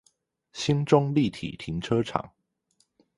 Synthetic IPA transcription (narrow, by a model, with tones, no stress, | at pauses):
ɕi˥nʈ͡ʂʊ˥ŋli˥˨t̪ʰḭ˨˩t̪ʰi˧˥˦ŋʈ͡ʂʰɤ˥ʈ͡ʂʰɑ̰˨˩˦ŋ